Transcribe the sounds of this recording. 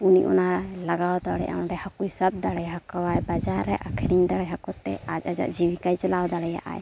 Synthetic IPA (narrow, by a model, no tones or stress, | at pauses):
unḭʔṵnalaɡawd̪aɽɛjʔã̰ɖɛhakujsab̚d̪aɽɛjɦakawajbad͡ʒaɾɛʔakʰɛɾind̪aɽɛjɦakɔt̪ːɛ̰ad͡ʒad͡ʒa̰ʔd͡ʒiwikajt͡ʃalawd̪aɽɛja̰ʔa̰j